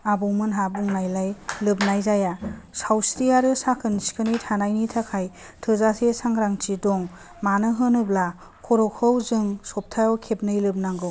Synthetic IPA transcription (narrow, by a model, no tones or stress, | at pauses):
abɯwmɯnɦabuŋnajlajlɯb̚najzajasawsɾijaɾɯsakʰɯnskʰɯnɯjtʰanajnitʰakʰaj | tʰɯzasesaŋɾaŋt͡ʃidɔŋ | manɯɦɯnɯbla | kʰɔɾɔkʰɯwzɯŋsɔp̚tʰajɔwkʰep̚nɯjlɯb̚naŋɡɯ